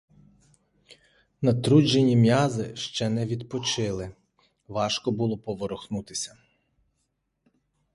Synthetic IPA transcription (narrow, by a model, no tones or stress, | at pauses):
nɐt̪ɾud͡ʒenʲimjɑzɪʃt͡ʃɛnɛʋʲid̪pɔt͡ʃɪlˠɪ | ʋɑʃkɔbulˠɔpɔʋɔɾɔxnut̪ɪsʲɐ